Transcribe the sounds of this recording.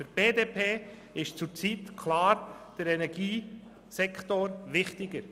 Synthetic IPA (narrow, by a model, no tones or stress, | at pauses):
fyɾb̥eːdeːpʰeː | ɪʃt͡sʊɾt͡sitkʰlɑːɾd̥əɾɛnɛɾɡ̥iː | sɛktoɾʋɪχtɪɡəɾ